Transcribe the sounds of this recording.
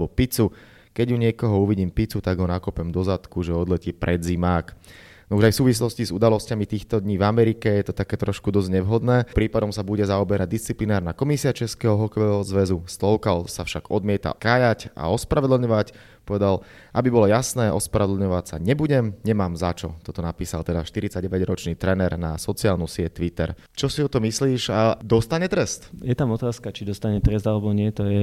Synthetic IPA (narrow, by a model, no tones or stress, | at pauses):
bɔpit͡su | kɛɟjuɲɪɛkɔɦɔuʋiɟiːmpit͡sut̪aɡɦɔnakɔpɛmd̪ɔzat̪kuʒɛɔd̪lɛciːpɾɛd̪zimaːk | nɔuʒajfsuːʋislɔscizud̪alɔscamit̪iːxt̪ɔd̪ɲiːvamɛɾikɛjɛt̪ɔt̪akɛːt̪ɾɔʃkud̪ɔzɲɛʋɦɔd̪nɛːpɾiːpad̪ɔmsabuɟɛzaɔbɛɾʔaɟ̚d̪ist͡siplinaːɾnakɔmisiat͡ʃɛskɛːɦɔɦɔkɔʋɛːɦɔzʋɛzust̪lɔʊkalsafʃaɡ̥ɔd̪mɪɛt̪a̰kaːjaca̰ɔspɾaʋɛd̪l̩ɲɔʋac | pɔʋɛd̪al | ʔabibɔlɔjasnɛːʔɔspɾaʋɛd̪l̩ɲɔʋacsa̰ɲɛbuɟɛmɲɛmaːmzat͡ʃɔ̰t̪ɔt̪ɔnapiːsa̰lt̪ɛd̪aʃt̪iɾit͡saɟɛʋɛɟɾɔt͡ʃniːt̪ɾɛnɛɾna̰sɔt͡siaːlnusɪɛct̪ʋit̪ɛ̰ɾ | t͡ʃɔsiɔt̪ɔmisliːʒad̪ɔst̪aɲɛt̪ɾɛst̪jɛt̪amɔt̪aːskat͡ʃid̪ɔst̪aɲɛt̪ɾɛzd̪alɛbɔɲɪɛt̪ɔjɛ